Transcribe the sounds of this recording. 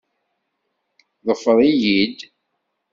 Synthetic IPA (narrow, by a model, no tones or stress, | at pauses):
ðˤəfːəɾˤijid̪